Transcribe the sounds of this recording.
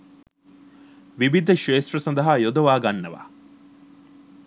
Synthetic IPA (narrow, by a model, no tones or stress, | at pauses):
ʋibid̪ɐʃeːst̪rɐsɐnd̪ɐɦaːjod̪oʋaːɡɐnːɐʋa̰ː